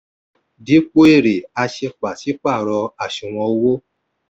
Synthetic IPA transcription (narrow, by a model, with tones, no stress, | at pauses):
di˨˦k͡po˦e˦˨ɾe˨a˧ʃe˧k͡pa˨si˨˦k͡pa˦˨ɾɔ˧a˦˨ʃĩ˨w̃ɔ̃˧˦wo˦